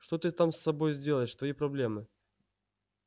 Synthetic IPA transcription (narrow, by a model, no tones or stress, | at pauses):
ʂt̪o̞t̪ɨt̪amsːɐbo̞jzʲdʲe̞lˠəɪʂt̪vɐjipɾɐblʲe̞mɨ